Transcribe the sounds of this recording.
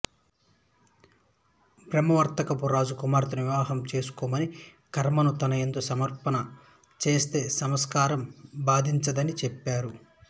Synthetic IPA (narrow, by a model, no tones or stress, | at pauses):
pɾɐmɐʋɐɾt̪ɐkɐpuɾaːd͡ʒukumaːɾt̪ɐniʋaːɦɐmt͡ʃe̞ːsu̥kɔːmɐni | kʰɐɾmɐnut̪ɐnɐjend̪osɐmɐɾpɐnɐ | t͡ʃe̞ːst̪e̞ːsɐmɐskaːɾɐmbaːd̪ʱiɲt͡ʃɐd̪ɐnit͡ʃɛpːaːɾu